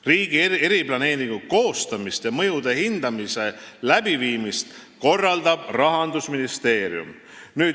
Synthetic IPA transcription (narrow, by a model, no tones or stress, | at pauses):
riːɡ̥iee̞ɾib̥lɑne̞ːɾiŋɡ̥uko̞ːst̪ɑmist̪jɑmɤ̞jud̪̥e̞hind̪̥ɑmise̞læb̥iviːmist̪ko̞rːɑld̪ɑb̥rɑɦɑnd̪usminist̪e̞ːɾjṵm | nyː